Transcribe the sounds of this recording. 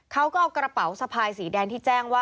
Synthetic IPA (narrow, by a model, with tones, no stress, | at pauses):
kʰa˦˥wkɔː˥˩kɾa˧pa˩˦wsa˧pʰaː˧jsiː˩˦dɛː˧nt̪ʰiː˥˩t͡ɕɛː˥˩ŋwaː˥˩